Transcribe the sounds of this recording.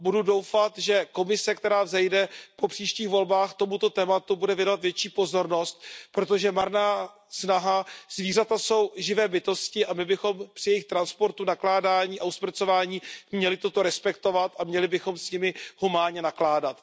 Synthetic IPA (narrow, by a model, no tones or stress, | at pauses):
bududo̞wfat̪ʒɛko̞mɪsɛkt̪ɛɾaːvzɛjdɛpo̞pr̝̥iːʃciːxvo̞lbaːxt̪o̞mut̪o̞t̪ɛːmat̪ubudɛvjɛnoat̪vjɛt͡ʃiːpo̞zo̞ɾno̞st̪̚pɾo̞t̪o̞ʒɛmaɾnaː | snaɦaz̥viːrat̪aso̞wʒɪvɛːbɪt̪o̞scɪʔamɪbɪxo̞mpr̥ɪjɛjɪxt̪ɾanspo̞ɾt̪unaklaːdaːɲiːʔauspr̩t͡so̞vaːɲiːmɲɛlɪt̪o̞t̪o̞ɾɛspɛkt̪o̞vat̪ʔamɲɛlɪbɪxo̞msɲɪmɪhumaːɲɛnaklaːdat̪